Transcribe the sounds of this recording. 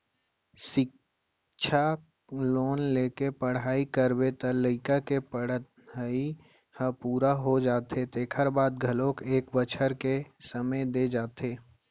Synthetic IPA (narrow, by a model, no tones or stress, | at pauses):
sɪk | t͡ʃʰa | loːnleːkepəɽ̤aːikəɾbet̪ələɪkakepəɽ | ai | həpuːɾaɦod͡ʒaːt̪et̪eːkʰəɾbaːd̪̚ɡʱɐlõːkeːkbət͡ʃʰəɾkesəməjd̪ed͡ʒaːt̪eː